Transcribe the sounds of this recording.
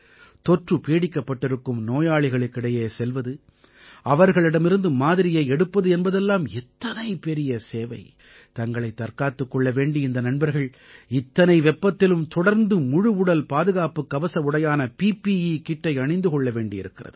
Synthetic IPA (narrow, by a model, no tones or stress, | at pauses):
t̪ɔʈrɯpeːɽɪkːɐpːɐʈːɪɾɯkːɯmnoːjaːɭɪɣɐɭɯkːɪɽɐjeːsɛlʋɐðɯ | ɐʋɐɾɣɐɭɪɽɐmɪɾɯnd̪ɯmaːðɪɾɪjeɛɽɯpːɐðɯɛnbɐðɛlːaːmɛt̪ːɐnɐɪpɛɾɪjɐseːʋɐɪ | t̪ɐŋɡɐɭɐɪt̪ːɐɾkaːt̪ːɯkːɔɭːɐʋeːɳɖiɪnd̪ɐnɐnbɐɾɣɐɭ | ɪt̪ːɐnɐɪʋɛpːɐt̪ːɪlɯmt̪ɔɽɐɾnd̪ɯmʊɻɯʊɽɐlpaːðɯɣaːpɯkːɐʋɐsɐɯɽɐjaːnɐpiːpiikɪʈːɐɪɐɳɐɪnd̪ɯkɔɭːɐʋeːɳɖɪɪɾɯkːɪrɐ̰ðɯ